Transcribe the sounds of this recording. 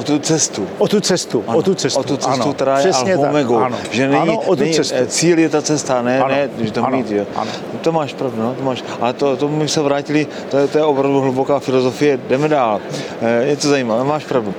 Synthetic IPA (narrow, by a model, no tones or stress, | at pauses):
ʔot̪ut͡sɛst̪uʔot̪ut͡sɛst̪uanoot̪ut͡sɛsot̪ut͡ssut̪ɾajɛsalɲɛomɛɡownʒɛnɛɲitnɛɲist͡siːljɛt̪at͡sɛst̪anɛnɛʒɛt̪omiːt̪ʒɛa̰n | t̪omaːʃpɾavdunot̪omaːʃ | ʔat̪ot̪omɪsɛvɾaːcɪlɪ | t̪ojɛt̪ojɛʔopɾavduɦlubokaːfɪlozo̞fɪjɛdɛmɛdaːl | jɛt̪ozajiːmavɛmaːʃpɾavdu